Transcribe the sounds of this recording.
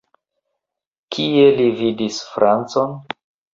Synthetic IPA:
kʰie̞lividisfɾʔant͡so̞n

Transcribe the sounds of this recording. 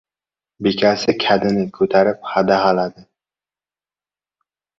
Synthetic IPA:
bekʲʰasɪkʲʰad̪ɪnɪkʰɵt̪ʰaɾɪp̚had̪ahalad̪ɪ

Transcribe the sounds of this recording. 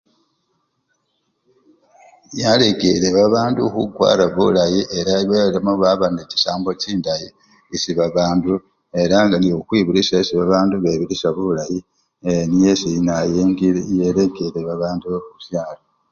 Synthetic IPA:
jaleɡeɾeβaβaːndukuɡwa̰ːɾaβulajiʔeɾaβelemoβaβaneci̥saːmbociːndaji | isiβaβaːndu | e̞ɾaŋɡaniokwiːβulisasiβaβaːnduβeβilisaβulaji | enijesinajeŋjeleɡeɾeβaβaːndukusjaːlo

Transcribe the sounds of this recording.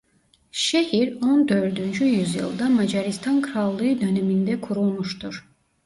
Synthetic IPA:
ʃehiɾond̪ø̞ɾd̪ynd͡ʒyjyzjɯ̰lˠd̪amad͡ʒaɾist̪ʰankʰɯɾalˠːɯɯd̪ø̞nemind̪ɛkʰuɾulˠmuʃt̪ʰuɾ̥

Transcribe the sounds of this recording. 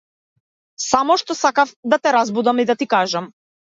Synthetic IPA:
samɔʃt̪ɔsakafd̪at̪ɛɾazbud̪amid̪at̪ikaʒam

